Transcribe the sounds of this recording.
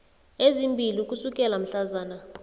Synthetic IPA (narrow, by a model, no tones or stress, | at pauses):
ezimbʱiliukʼusukʼɛlam̩ɬazaːna